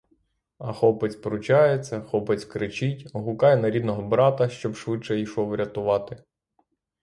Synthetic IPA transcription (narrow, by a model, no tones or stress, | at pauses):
ɐxɔpɪt͡sʲpɾʊt͡ʃɑjet͡sʲːɐxɔpɪt͡sʲkɾɪt͡ʃɪtʲɔɦʊkɑjɛnɐɾʲid̪nɔɦɔbɾɑt̪ɐʃt͡ʃɔbʃʋɪtt͡ʃɛiʃɔwɾʲɐt̪ʊʋɑt̪ɪ